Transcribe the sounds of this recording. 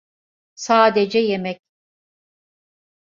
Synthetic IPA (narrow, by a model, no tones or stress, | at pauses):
saːd̪ed͡ʒɛjemɛc